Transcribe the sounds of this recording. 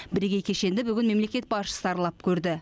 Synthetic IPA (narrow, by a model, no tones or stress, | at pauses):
bɪɾeɡʲejkʲʰe̞ʃe̞nd̪ɪbʏɡʲɪnme̞mle̞kʲe̞t̪̚bɑʃə̥səɑɾlˠɑp̚kʲʰɵɾd̪ɪ